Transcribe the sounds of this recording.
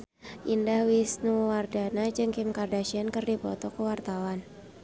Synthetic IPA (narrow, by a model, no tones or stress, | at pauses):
ʔindahwisnuwardanad͡ʒɨŋkɪmkardaʃiankɨrdipɔ̰t̪ɔkəwart̪awan